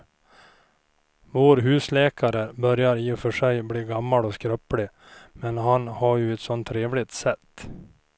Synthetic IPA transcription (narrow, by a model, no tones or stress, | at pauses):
voːɾɦʉ̟ːslɛːkʰaɾəbœɾjaɾiːɪfœʂɛjbliːɡamːalɔskɾœplɪ | mɛnɦanhaɾjɵɛt̪sɔnt̪ʰːɾeːvlɪt̪sɛt̪ː